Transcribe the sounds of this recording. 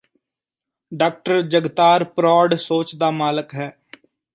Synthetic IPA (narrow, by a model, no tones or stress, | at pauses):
ɖaːk̚ʈəɾd͡ʒəɡt̪aːɾpɾɔːɖsoːt͡ʃd̪aːmaːləkɦɛː